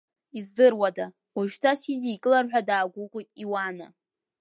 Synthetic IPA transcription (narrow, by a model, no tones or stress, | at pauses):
izdɨrwada | uʒᶣtʰasiziːkʼɨlarħᶣʷadaːɡʷʊqʼitʼiwana